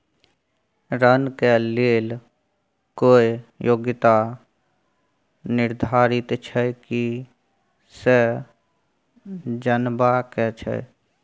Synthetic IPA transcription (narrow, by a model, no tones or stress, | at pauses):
ɾənkeleːl | koːijoːɡɪt̪a | nɪɾd̪ʱaːɾɪt̪t͡ʃʰɛki | sɛ | d͡ʒənbakɛt͡ʃʰɛ̰